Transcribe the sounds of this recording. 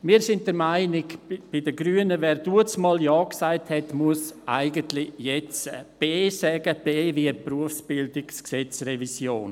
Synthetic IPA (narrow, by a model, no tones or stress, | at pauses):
miːɾsɪnt̚d̥əɾmaɪnɪkb̥idəɡɾyːənəvɛːɾd̥uːət͡smɑːljaːksaɪthɛtmuəsʔa̰ɪɡəntlɪjɛt͡sb̥eːsɛːɡəb̥eːviəpruəfsb̥ɪldɪksksɛt͡srevisjoːn